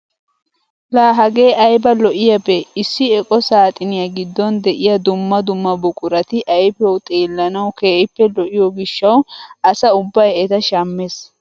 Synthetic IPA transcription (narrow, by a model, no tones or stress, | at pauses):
laːɦɐɡe̞ːʔɐjbɐlɔʔɪjɐbɛɪsːɪɛkʼɔsaːt̪ʼɪnɪjɐɡɪd̪ːɔnd̪ɛʔɪjɐd̪ʊmːɐd̪ʊmːɐbʊkʼʊɾɐt̪ɪʔɐjbɛwt̪ʼeːlːɐnɐwke̞ːʔɪpːɛlɔʔɪjɔɡɪʃːɐwɐsɐʊbːɐjɛt̪ɐʃaːmːe̞ːs